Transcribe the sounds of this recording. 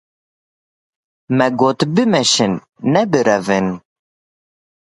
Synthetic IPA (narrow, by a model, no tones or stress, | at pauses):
mɛɡoːt̪bɨmɛʃɪnː | ɛbɨɾɛvɨn